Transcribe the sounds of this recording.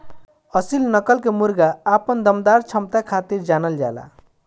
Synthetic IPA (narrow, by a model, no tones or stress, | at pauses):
əsilnəkəlkemuɾɡaːpənd̪əmd̪aɾt͡ʃʰəmt̪akʰat̪iɾd͡ʒanəld͡ʒa̰la̰